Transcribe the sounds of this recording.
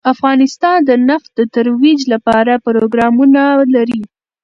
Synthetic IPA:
afɣɑnɪst̪ɑnd̪ənaft̪̚d̪ət̪aɾwid͡ʒlapɑɾapʊɾoɡɾɑmunalaɾi

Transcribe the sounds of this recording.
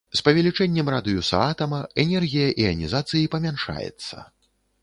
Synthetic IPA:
spɐvʲɛlʲit͡ʂɛnʲːɛmrad̪ɨjusɐ̰at̪ɐmɐɛnʲɛrɣʲijɐʔiɐnʲizat̪sɨjipɐmʲanʂa̰jɛ̰t̪sːɐ̰

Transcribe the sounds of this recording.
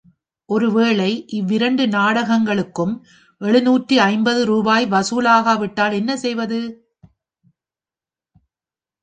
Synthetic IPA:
ʔɔɾɯʋeːɭɐɪʔɪʋːɪɾɐɳɖɯnaːɽɐɣɐŋɡɐɭɯkːɯm | ʔɛɭɯnuːʈriɐɪmbɐðɯɾuːbaːjʋɐsuːlaːɣaʋɪʈːaːlɛnːɐsɛjʋɐðɯ

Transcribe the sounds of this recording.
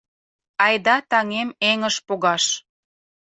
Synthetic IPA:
ɑjd̪ɑt̪ɑŋemeŋəʃpoɣɑʃ

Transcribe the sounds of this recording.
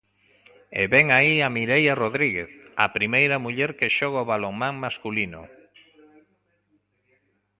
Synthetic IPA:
ḛβɛŋaiamiɾejaroðɾiɣeθapɾimejɾɐmuʎɛɾkeʃɔɣ̞aoβaloŋmãŋmaskulinʊ̰

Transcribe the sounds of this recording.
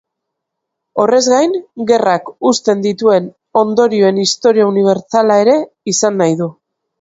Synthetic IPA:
o̞re̞zɣajnɡe̞rakust̪e̞nd̪it̪ue̞n | o̞nd̪o̞ɾioe̞nist̪o̞ɾiauniβ̞e̞ɾt͡salae̞ɾe̞ | isanːajðu

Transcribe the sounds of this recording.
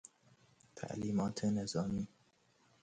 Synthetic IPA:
t̪ʰa̰ʔliːmɒːt̪ʰenezɒːmiː

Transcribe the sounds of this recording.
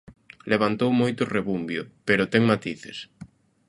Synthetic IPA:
leβant̪owmojt̪ʊreβumbjʊpeɾʊt̪ɛŋmat̪iθes

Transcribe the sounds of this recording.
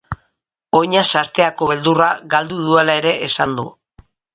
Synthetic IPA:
o̞jɲasaɾt̪e̞ako̞βe̞ld̪uraɣald̪uð̞ue̞lae̞ɾe̞ʔesand̪u

